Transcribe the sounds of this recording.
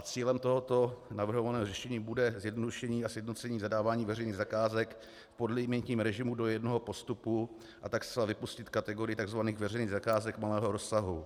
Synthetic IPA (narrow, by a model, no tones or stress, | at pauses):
at͡siːlɛmt̪o̞ɦot̪o̞navr̩ɦovanɛːɦorɛʃɛɲiːbudɛzjɛdnoduʃɛɲiːasjɛdno̞t͡sɛɲiːzadaːvaːɲiːvɛrɛjniːɣzakaːzɛk | podlɪmɛnt̪ɲiːmɾɛʒɪmudo̞jɛdno̞ɦopo̞st̪upu | ʔat̪akst̪t͡sɛlavɪpuscɪt̪kat̪ɛɡo̞ɾɪjɪt̪aɡzvaniːɣvɛrɛjniːɣzakaːzɛkmalɛːɦoɾosːaɦu